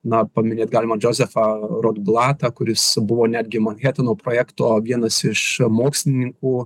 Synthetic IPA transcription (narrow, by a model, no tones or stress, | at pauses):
nɐpɐmʲɪnʲeːt̪ɡɑːlʲɪmɐd͡ʒʲoːzʲɛfɐɾod̪blˠɑːt̪ɐkʊɾʲɪsbʊʋoːnʲæːd̪ʲɡʲɪmɐnʲxʲæːt̪ʲɪnoːpɾoːjæːkt̪oːʋʲiɛnɐsɪʃmoːksʲlʲɪnʲɪŋkuː